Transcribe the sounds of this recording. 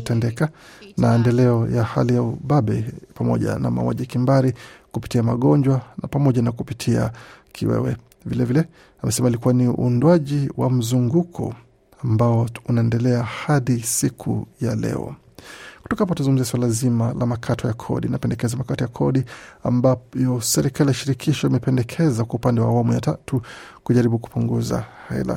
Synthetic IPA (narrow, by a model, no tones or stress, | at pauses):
tɛndɛkanaɛndɛlɛɔjaha̰lijauɓaɓɛpamɔ̰ʄa̰na̰ma̰wa̰ʄikimbaɾikupitiamaɠɔɲd͡ʒwanapamɔʄanakupitʰia̰kʰḭwɛ̰wɛ | vilɛvilɛ | amɛsɛmalikuwaniundwaʄiwʔam̩zuŋɡukʰɔ̰ | ambaɔunaɛndɛlɛahaðisikʰṵjalɛ̰ɔ̰ | ku̥tɔkap̬ɔtazuŋɡum̩ziaswalazimalamakʰatʰɔjakʰɔ̰ɗinapɛndɛkɛzamakatɔjakʰɔɗia̰mbajɔsɛɾikaliaʃiɾikʰiʃɔimɛpɛndɛkʰɛzakwaupandɛwa̰ːwamuja̰tatukuʄaɾiɓuku̥puŋɡuza̰hɛ̰la̰